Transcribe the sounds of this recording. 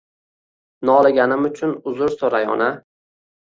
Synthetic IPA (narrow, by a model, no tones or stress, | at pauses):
nɒlˠɪɡʲanɪmʊt͡ʃʰʊnʊzʊɾsoɾajɒ̰na